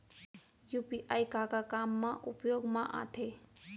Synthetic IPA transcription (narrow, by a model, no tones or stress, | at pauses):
jupiʔajkakakamːãʔupjoɡmãʔã̰t̪ʰe